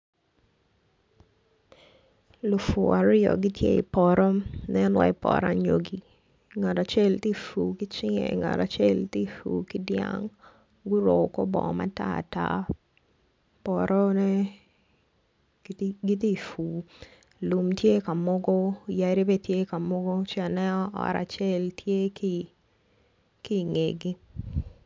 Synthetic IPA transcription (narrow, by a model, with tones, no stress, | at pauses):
lʊ˨fu˨a˨ɾɪ˦jɔ̰˨ɡi˦tjḛ˦i˨pɔ˨ɾɔ˦nɛnwa̰˦ɪ˦pɔ̰˨ɾa̰ɲo˦ɡi˨ | ŋa˨ta˨t͡ʃɛ˦lti˦fu˨ki˦t͡ʃɪ˦ŋɛ̰˨ŋa̰˨ta˨t͡ʃɛ˦lti˦fṵ˨ki˦dja̰ŋ | ɡʊ˦ɾo˨kɔ˦bɔ̰˨ma̰˦ta̰˦˨ta̰˦ | pɔ˨ɾʔɔ˦nɛ˦ | ɡi˦t̬i˦˨fu˨ | lu˨mtje˦ka˨mɔ˦ɡɔ˦˨ja˦ɾi˦bɛ˦tje˦ka˨mɔ˦ɡɔ˦t͡ʃnɛ˦ɔ̰ː˦˨ɾa̰˨t͡ʃɛ˦ltʰje˦ki | ki˦ŋe˨ɡi˦